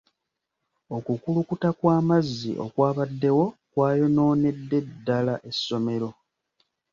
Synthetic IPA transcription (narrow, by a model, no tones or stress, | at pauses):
o̞kukulukutakwaːmazːḭʔo̞̰kwaːβadːe̞wo̞kwaːjo̞no̞ːne̞dːe̞dːalaʔe̞sːo̞me̞ɾo̞